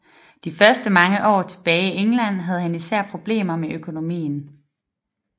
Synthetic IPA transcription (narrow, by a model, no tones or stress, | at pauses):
d̥ifɶɐsd̥əmɑ̈ŋəʔɒ̰ːt͡sʰe̝b̥ɛːieŋlæn̰ɦæð̞̩ˠɦænisæɐ̰pʰʁo̝b̥le̝̰ːmɐmeʔøkʰo̝no̝mḭːn̩